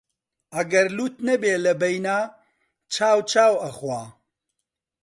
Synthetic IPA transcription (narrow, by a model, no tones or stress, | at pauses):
ʔɐɡɐɾluːt̪nɐbeːlɐbɐjnaː | t͡ʃʰaːwt͡ʃʰaːwɐxwaː